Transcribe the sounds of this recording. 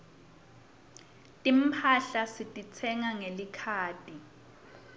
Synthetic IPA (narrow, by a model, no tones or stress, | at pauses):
tʼim̩pʰaɬasitʼit͡sʰɛŋaŋelikʰaːtʼi